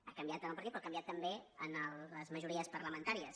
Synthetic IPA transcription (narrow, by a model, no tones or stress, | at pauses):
a̰kəmbiat̪ənəlˠpəɾt̪itpɾɔakəmbiat̪ːəmbeənəlˠːəzməʒuɾiəspəɾləmənt̪aɾiəs